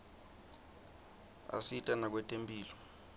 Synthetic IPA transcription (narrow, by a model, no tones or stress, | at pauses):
a̰sitʼanak̬wɛtʼempʼiːlɔ